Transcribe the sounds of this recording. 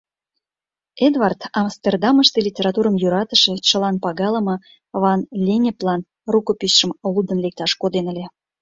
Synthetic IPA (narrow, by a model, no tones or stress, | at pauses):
ed̪vɑrt̪ɑmst̪erd̪ɑməʃt̪elʲitʲeɾɑt̪uɾəmjuɾɑt̪əʃet͡ɕə̆lɑnpɑɣɑləmɤ | vɑnlʲenʲeplɑn | rukopisʃəmlud̪ənlek̚t̪ɑʃkod̪enəlʲe